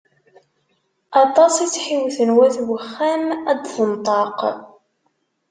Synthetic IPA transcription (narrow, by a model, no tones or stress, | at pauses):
ɑt̪ˤɑsˤit͡sːħiwθənwæθwəχːæmæd̪θənt̪ˤɑq